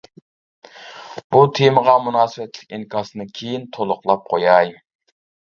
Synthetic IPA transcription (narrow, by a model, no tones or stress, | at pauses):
b̥ut̪ʰeməʁɑmunɑːsɨwɛt̪ʰlɪ̥kʲinkʰɑːsɨnɨkʲʰejint̪ʰolˠʊqlˠɑp̚qʰojɑj